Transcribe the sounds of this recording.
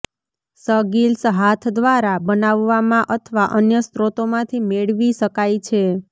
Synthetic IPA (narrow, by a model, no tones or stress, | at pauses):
səɡilsɦat̪ʰd̪ʋaɾabənaʋːamãʔət̪ʰəʋaʔənjəst̪ɾot̪omãt̪ʰimeɭʋiʃəkajt͡ʃʰe